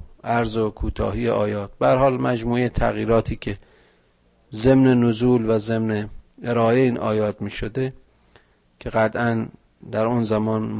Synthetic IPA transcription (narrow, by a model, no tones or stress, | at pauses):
ʔæɾzokʰuːt̪ʰɒ̰ːhiːjeʔɒːjɒːt̪̚b̥eæɾhɒːlmæd͡ʒmuːet̪ʰæɣjiːɾɒːt̪ʰiːkʰe | zemnenozuːlvæzemneeɾɒːeiːnʔɒ̰ːjɒːt̪miːʃod̪e | kʲʰe̞ɣæt̪ʰæn | d̪æɾonzæmɒːnm